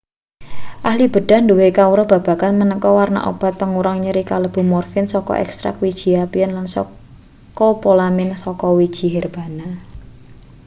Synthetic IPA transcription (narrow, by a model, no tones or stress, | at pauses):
ʔahlib̥ə̤ɖ̥a̤nduwekauɾɔb̥a̤b̥a̤kanmənəkɔwarna̰ʔo̰b̥a̤t̪̚pəŋuɾaŋɲəɾikaləb̥ṳmɔrfɪnsɔkɔ̰ʔɛ̰kst̪ɾa̰kwid̥ʒ̥i̤apianlansɔ̰ | kɔpolamɪnsɔkɔwid̥ʒ̥i̤ɦɛrb̥a̤na